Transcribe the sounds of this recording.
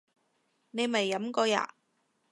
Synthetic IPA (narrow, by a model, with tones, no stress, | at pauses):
ne˨˧jmɐ˨˩jːɐ˨˥mkɔː˧ja̰ː˨˩